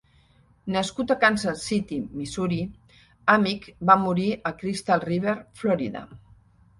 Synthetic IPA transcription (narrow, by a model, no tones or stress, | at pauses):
nəskut̪akansəsit̪imisuɾi | amikbamuɾiʔəkɾist̪alˠriβ̞eɾflɔɾiða̰